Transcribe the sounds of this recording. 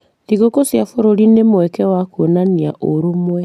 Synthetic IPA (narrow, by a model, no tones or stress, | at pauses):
ðiɣokosjafoɾoɾinemwɛkɛwakonaniaʔoɾomwɛ